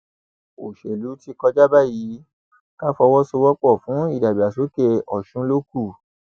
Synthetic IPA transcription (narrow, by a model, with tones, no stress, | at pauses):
o˨ʃe˨lu˨˦ti˧kɔ˧d͡ʒa˦ba˦˨ji˨˦ | ka˦fɔ˧wɔ˦so˧wɔ˦k͡pɔ˦˨fũ˨˦i˦˨da˨bi˨a˨so˨˦ke˧ɔ˨ʃũ˨˦lo˦ku˦˨